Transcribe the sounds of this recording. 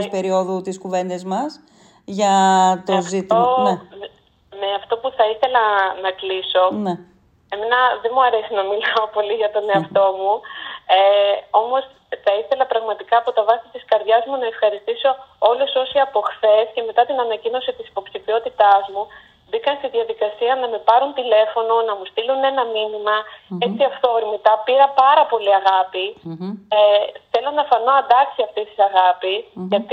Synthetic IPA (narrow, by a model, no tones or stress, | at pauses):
spe̞ɾio̞ðut̪iskuve̞nd̪e̞zmɐs | ʝɐt̪ozit̪ne | neɐft̪o̞puθɐiθe̞lɐnɐkliso̞ne | emenɐðemuɐɾe̞sinɐmilɐopo̞liʝɐt̪o̞ne̞ɐft̪o̞mueo̞mo̞s | θɐiθe̞lɐpɾɐɣmɐt̪ikɐːpo̞t̪ɐvɐsit̪iskɐɾðʝɐzmunɐe̞fxɐɾist̪iso̞o̞luso̞siɐpo̞xθe̞sce̞me̞t̪ɐt̪inɐnɐcino̞sit̪isi̥po̞psifio̞t̪it̪ɐzmu | bikɐnst̪iðiɐðikɐsiɐnɐmepɐɾunt̪ile̞fo̞no̞nɐmust̪ilune̞nɐminimɐe̞t͡siɐft̪o̞ɾimit̪ɐpiɾɐpɐɾɐpo̞liɐɣɐpi | eθe̞lo̞nɐfɐno̞ɐnd̪ɐksiɐft̪ist̪isɐɣɐpisʝɐt̪i